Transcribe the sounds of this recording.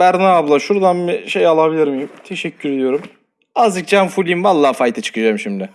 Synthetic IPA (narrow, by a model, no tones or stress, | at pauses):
bæɾd̪aablˠaʃuɾd̪anbiʃejalˠabilʲiɾmijumt̪ʰe̞ʃɛcʰːyɾe̞d̪ijo̞ɾum | azd͡ʒɯk̚d͡ʒanfulʲinvalˠːaːfajt̪ʰat͡ʃʰɯ̥kʰɯd͡ʒaːmʃimd̪ɪ